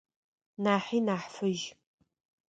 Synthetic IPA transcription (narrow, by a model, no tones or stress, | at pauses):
naːħiːnaːħfɨʒ